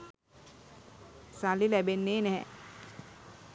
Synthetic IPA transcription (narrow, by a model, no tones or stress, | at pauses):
salilæbenːeːnɛɦɛ̃